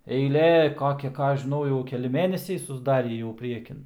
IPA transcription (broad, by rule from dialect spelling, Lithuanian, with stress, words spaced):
ɛɪˈlʲeː ˈkoːkʲɛ ˈkɑː ˈɐʃ ʒʲɪˈnɐʊ jɛʊ kʲɛˈlʲɪ ˈmʲeːnʲɛsʲɛɪ sʊzˈdɑːrʲiː jɛʊ ˈpʲrʲiɛkʲɪn